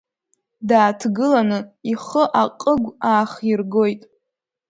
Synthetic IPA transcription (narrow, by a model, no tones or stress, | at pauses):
daːtʰɡɨlanɨiχəʔaqʼəɡʷaːχirɡo̞jtʼ